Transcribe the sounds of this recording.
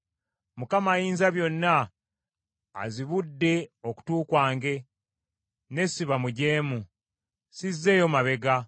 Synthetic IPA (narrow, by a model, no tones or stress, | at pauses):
mukamaːjiːnzaβjo̞nːa | ziβudːe̞o̞ku̥tuːkwaːŋɡe̞ | ne̞siβamuɟe̞ːmu | sizːe̞ːjo̞maβe̞ɡa